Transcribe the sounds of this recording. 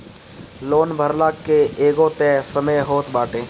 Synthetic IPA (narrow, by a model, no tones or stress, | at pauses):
loːnbʱəɾlaːkkːeeːɡõt̪ɛːsɐməjɦoːt̪baːʈẽː